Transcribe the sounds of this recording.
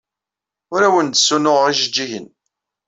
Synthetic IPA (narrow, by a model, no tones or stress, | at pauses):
ʊɾæwənt̪sːunʊʁiʃəd͡ʒːiʝən